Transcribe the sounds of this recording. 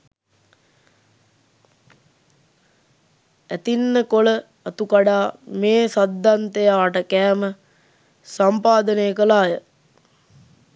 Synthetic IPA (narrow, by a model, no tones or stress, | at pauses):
æt̪inːəkolə | at̪ukaɖaːmeːsad̪ʱːant̪ejaːʈəkæːmə | sampaːd̪ənejəkəlaːjə